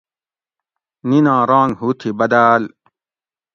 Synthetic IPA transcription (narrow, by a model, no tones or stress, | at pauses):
ninãːɾãːŋɡhut̪ʰibɐd̪aːl